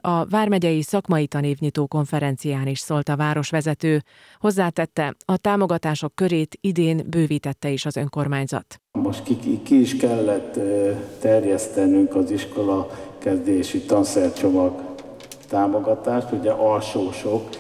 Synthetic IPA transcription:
ɒvaːrmɛɟɛjisɒkmɒjit̪ɒneːvɲit̪oːko̞ɱfɛɾɛnt̪sijaːniʃsoːlt̪ɒvaːɾo̞ʃʋɛzɛt̪øː | ho̞zːaːt̪ɛt̪ːɛɒt̪aːmo̞ɡɒt̪aːʃo̞kːø̞ɾeːt̪id̪eːnbøːviːt̪ɛt̪ːɛiʃɒzø̞ŋko̞rmaːɲzɒ̰t̪moʃt̪kikiːʃkɛlːɛt̪ː | ɛrjɛst̪ɛnyŋkɒziʃko̞lɒkɛzd̪eʃit̪ɒnsɛrt͡ʃo̞mɒɡ | t̪aːmoɡɒt̪aːʃt̪uɟɛʔɒlʃoːʃok

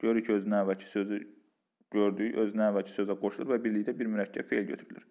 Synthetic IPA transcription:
ɟøɾycʰiø̞znæːvælcʰi̥sø̞zy | ɟøɾd̪yʔøznæːvælcʰi̥sø̞zæɡo̞ʃulˠuɾvæbiɾliçd̪æbiɾmyɾæcʰːæ̰bfe̞ilʲɟøt̪ʰyɾylḭɾ

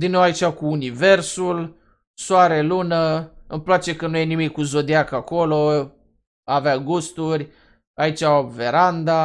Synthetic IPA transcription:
d̪inowait͡ʃʲakuːnive̞rsul | soaɾe̞lunəɨmplat͡ʃe̞kənujenimikʲːuzo̞d̪iakako̞lo | aveaɡust̪urʲ | ait͡ʃʲaoveɾand̪a

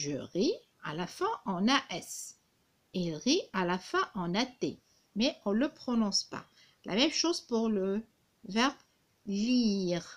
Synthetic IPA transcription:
ʒə̰ʁi | a̰lafwɛ̃ʔɑ̃naʔɛs | elʁialafwɛ̃ʔɑ̃nat̪ḛ | mɛɔ̃ləpχɔnɔ̃spa̰ | lʔa̰mɛmʃozpuʁlə | vɛʁb | liʁ

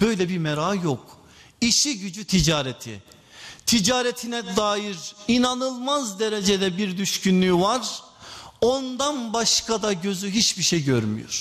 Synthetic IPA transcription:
b̥ø̞jlʲɛbiɾmɛɾaːjo̞k | iʃiɟyd͡ʒyt̪ʰid͡ʒaːɾɛt̪ʰḭ | t̪ʰid͡ʒaːɾɛt̪ʰinɛd̪aːjiɾinanɯlˠmazd̪eɾed͡ʒed̪ɛbiɾd̪yʃcynlʲyvaɾ | ond̪anbaʃkad̪aɟø̞zyɦit͡ʃbiʃejɟøɾmy̰jo̰ɾ̥

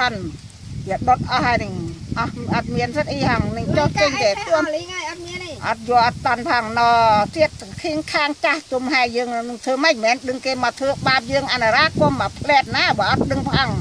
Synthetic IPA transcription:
ɑn | ʋiəɗot̪̚ʔɑhanɨŋ | ʔɑhʔɑt̪̚miənsɨt̪ʔiːhʰɑŋnɨŋt͡ɕoːt̚t͡ɕəɲt̪auəajʔɑt̪̚miənʔɑt̪̚juəlʔɑt̪t̪ɑnpʰɑŋnɑːt̪iət̪̚kʰiːŋkʰaːŋt͡ɕaht̪umɦaɛjəːŋnɨŋt̪ʰəːməc̚mɛːnɗɨŋkeːmɑt̪ʰwəːɓaːp̚jəːŋʔanaɾaːkoəmapʰlɛːt̪̚naːɓaːʔɑt̪̚ɗɨŋpʰʔɑŋ

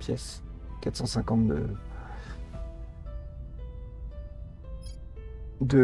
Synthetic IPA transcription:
pjɛ̰s | kat̪χsɑ̃sɛ̃kɑ̃t̪d̪ə̰ | d̪ə

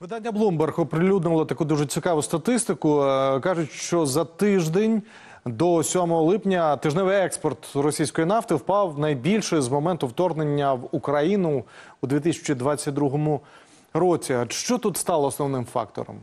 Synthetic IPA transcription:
ʋɪd̪anʲːɐblˠumbɛrxɔpɾɪlʲud̪nɪlˠɔt̪ɐkud̪uʐet͡sʲikɑʋʊst̪ɐt̪ɪst̪ɪkʊkɑʒʊtʲʃt͡ʃɔzɐt̪ɪʒd̪enʲ | d̪ɔsʲɔmɔɦɔlˠɪpnʲɐt̪ɪʒnɛʋɪɛkspɔrt̪rɔsʲijsʲkɔjinɑft̪ɪwpɑwnɐjbʲilʲʃɪzmɔmɛnt̪ʊwt̪ɔrnenʲːɐʋukɾɐjinʊː | d̪ʲit̪̬ɪsʲɪ̥t͡ʃid̪ʋɑt͡sʲːɐt̚ʲd̪ɾuɦɔmʊ | ɾɔt͡sʲiʃt͡ʃɔt̪ut̪st̪ɑlˠɔːsnɔʋnɪmfɑ̰k̚t̪ɔ̰ɾɔ̰m

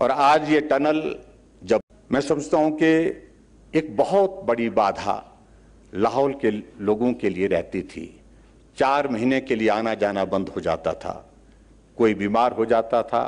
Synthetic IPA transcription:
ɔːɾaːd͡ʒjeʈɐnəl | d͡ʒɐ | mɛ̃ːsɐməd͡ʒʱt̪aɦũki | eːk̚bɐɦɔt̪̚bɐɽibaːd̪ʱa̰ | laːɦɔːlkeloːɡõkelieɾɛɦt̪it̪ʰḭ | t͡ʃaːɾmɐɦinekelieaːnad͡ʒaːnabɐ̃nd̪ʱɦod͡ʒa̰ːt̪a̰t̪ʰa̰ː | koːibiːmaːɾɦod͡ʒaːt̪at̪ʰa̰ː

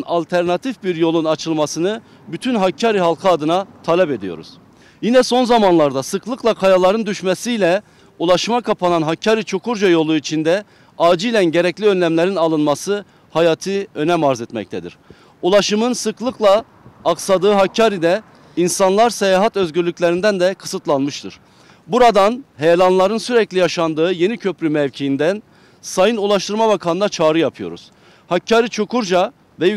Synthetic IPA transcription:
nalʲt̪ʰæɾnat̪ʰifbiɾjo̞lˠunat͡ʃʰɯlˠmasɯnɯ | byt̪ʰynɦacʰːaɾiɦalˠkʰɯad̪ɯnat̪ʰalʲɛpe̞d̪ijo̞̰ɾṵz̥ | jinɛso̞nzamanlˠaɾd̪asɯklˠɯklˠakʰajalˠaɾɯnd̪yʃmɛsijlʲɛ | ulˠaʃɯmakʰapʰananɦacʰːaɾit͡ʃʰo̞kʰuɾd͡ʒajo̞lˠuit͡ʃʰind̪ɛ | aːd͡ʒijlʲænɟeɾɛclʲiø̞nlʲæmlʲeɾinalˠɯnmasɯ | hajaːt̪ʰɯø̞nɛmaɾzɛt̪mɛ̰c̚t̪ʰɛd̪ḭɾ̥ | ulˠaʃɯmɯnsɯklˠɯklˠaː | ksad̪ɯːɦacʰːaːɾid̪ɛ | insanlˠaɾsejaːɦat̪ø̞zɟyɾlʲycʲlʲeɾind̪ænd̪ɛkʰɯ̥sɯt̪lˠanmɯʃt̪ʰɯɾ̥ | buɾad̪anɦejelʲˠanlˠaɾɯnsyɾɛclʲijaʃand̪ɯːje̞nicʰø̞pɾymɛvcʰijind̪æn | sajɯnulˠaʃt̪ʰɯɾmaβakʰanɯnd̪at͡ʃʰaːɾɯjapʰɯjo̞̰ɾṵz̥ | hacʰːaːɾit͡ʃʰo̞kuɾd͡ʒa | vɛ

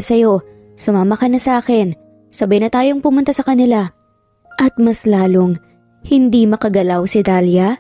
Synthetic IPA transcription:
sɐjo̞ | sʊmaːmɐkɐnɐsɐʔaːkɛn | sɐbɐjnɐt̪aːjo̞ŋpʊmʊnt̪asɐkɐnɪla | ʔɐt̪̚mɐslaːloŋ | hɪnd̪imɐkɐɡɐlawsɪd̪aːljɐ

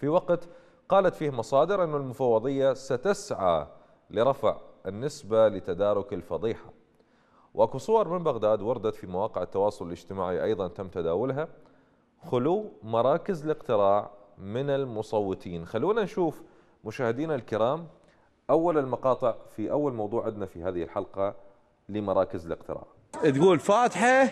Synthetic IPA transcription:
fiwaqt̪ | qɑːlat̪fiːhamɑsˤɑːd̪ɪɾʔɪnːʊlmʊfɑwːɑðˤɨjːasat̪asʕa | lɪɾˤɑfʕɪnːɪsbalɪt̪ad̪aːɾˤʊkɪlfɑðˤiːħa̰ | wʔakusˤʊwɑɾˤmɪmbaɣd̪aːd̪wɑɾˤɑd̪at̪fimawɑːqɪʕɪt̪ːɑwɑːsˤʊlɪlɪd͡ʒt̪ɪmaːʕiʔɑjðˤɑnt̪amt̪ad̪aːwʊlɦa | xʊluːmɑɾˤɑːkɪzɪlɪqt̪ɪɾɑːʕmɪnɪlmʊsˤɑwːɨt̪ˤiːnxalːuːnanʃuːf | mʊʃaːhɪd̪iːnalkɪɾaːm | ʔawːalɪlmɑqɑːt̪ˤɨʕfiʔawːalmɑwðˤuːʕɪd̪nafihaːðɪhɪlħalqɑ | lɪmɑɾˤɑːkɪzɪlɪ̰qt̪ɪ̰ɾɑ̰ːʕ | t̪ɡuːlfaːt̪ħa

